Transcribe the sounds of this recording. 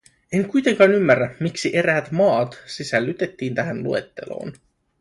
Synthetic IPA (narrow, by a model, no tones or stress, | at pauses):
e̞ŋkujt̪e̞ŋkɑːnymːærːæmiksiʔe̞ɾæːt̪mɑːt̪sisælːyt̪e̞t̪ːiːnt̪æɦænlue̞̰t̪ːe̞̰lo̰ːn